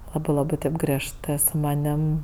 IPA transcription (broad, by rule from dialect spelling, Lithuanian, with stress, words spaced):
ˈlˠɑːbɜ ˈlˠɑːbɜ ˈtʲeːp ɡrʲiɛʃˈtɜ sʊ mɐˈnʲɪm